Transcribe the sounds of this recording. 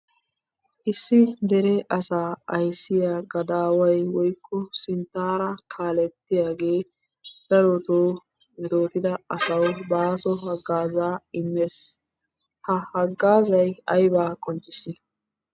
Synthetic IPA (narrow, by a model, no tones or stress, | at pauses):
ʔɪsːɪd̪ɛɾɛʔɐsaːɐjsːɪjaːɡɐd̪aːwɐjwɔjkʰːɔsɪnt̪ːaːɾɐkʰaːlɛt̪ːɪjaːɡe̞ː | bɐɾɔt̪oː | mɛt̪o̞ːt̪ɪd̪ɐɐsɐwbaːsɔɦɐɡːaːzaːɪmːeːs | hɐhɐɡːaːzɐjɐjbaːkʼɔnt͡ʃʼːɪsːɪ